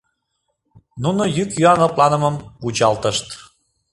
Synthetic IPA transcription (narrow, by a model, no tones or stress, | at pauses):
nunojykjyɑnɤ̆plɑnəməmpud͡ʑɑlt̪əʃt̪